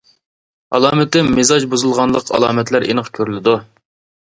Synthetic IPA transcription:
ɑ̰lˠɑːmɪt̪ɪmmezɑd͡ʒbuzɨlˠʁɑnlˠəqʰɑ̰lˠɑːmɛt̪læɾʔḛnəqkʲʰøɾylɪd̪u

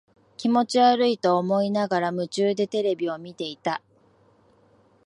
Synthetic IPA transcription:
kʲimo̞t͡ɕiaɾɯ̟it̪o̞ːmo̞inaɡaɾamɯ̟t͡ɕɨːd̪e̞t̪e̞ɾe̞bʲio̞mʲit̪e̞it̪a

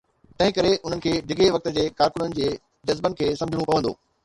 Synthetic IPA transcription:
t̪ɐ̃ɦɪ̃kɐɾeʔʊn̤ənɪ̆kʰeːɖʱɪɡʱeʋɐk̚t̪ə̆d͡ʑeːkaːɾkʊnənɪ̆d͡ʑeː | d͡ʑɐzbənɪ̆kʰeːsɐmd͡ʑʱɪɽ̃ũpɐʋə̃nd̪o̰ː

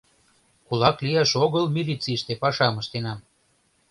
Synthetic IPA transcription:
kulˠɑklijɑʃoɣəlmʲilʲit͡siʃt̪epɑʃɑməʃt̪enɑm

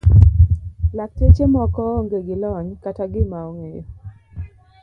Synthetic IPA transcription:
lak̚tet͡ʃemɔkɔŋɡeɡɪlɔɲkataɡɪmaoŋejo

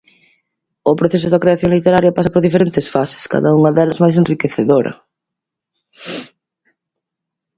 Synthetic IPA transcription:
ʊpɾoθesʊðɐkɾeaθjoŋlit̪eɾaɾjɐpasɐpoɾðifeɾent̪esfase̥ska̰ðɐuŋɐðɛlɐzmajs̬enrikeθeðoɾɐ̰

